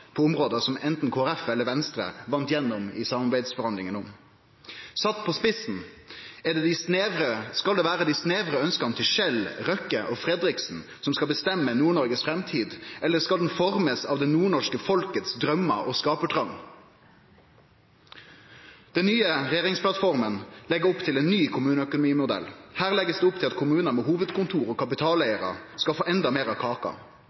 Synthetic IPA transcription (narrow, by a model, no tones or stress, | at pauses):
pʰoːʊmʁoːd̪əsɔmɛnt̪n̩kʰoːæɾɛfɛləɾʋɛnst̪ɾə̰ʋɑnt̪jɛnːɔmɪ̰sɑmɑɾbæɪd̪sfɔɾhɑnlɪŋənɔm | sɑt̪ːpʰoːspɪsn̩ɛɖ̪ɛd̪ɪsneːɾəskɑld̪ɛːʋæːɾəd̪ɪsneːʋɾəœnskɑnət̪ʰɪlʃɛlʁœkəʔɔfɾɛd̪ɾɪksn̩ | sɔmskɑlbəst̪ɛmːənuːɳɔɾɡəsfɾɛmt̪ʰiːd̪ʔɛləskɑld̪n̩fɔʁməsɑːʋd̪ɛnuːɳɔʂkəfɔlkət̪sd̪ʁœmːɑ̰ʔɔskɑːpəʈ̪ʰʁɑŋ | d̪̥ɛnnyːəʁɛjeːʁɪŋspʰlɑt̪fɔʁmənlɛɡəʊpt̪ʰɪleːnnːyːkʰʊmʉːnəœkʊnʊmiːmʊd̪ɛ̰lhæːʁlɛɡəsd̪eːʊp̚t̪ʰɪlɑt̪kʰʊmʉːnəmeːɦuːʋəd̪kʰʊnt̪ʰuːɾɔːkʰɑpɪt̪ʰɑːlæɪəʁɑ̰skɑlfoːʔɛnd̪ɑmeːʁɑkʰɑːkɑ̰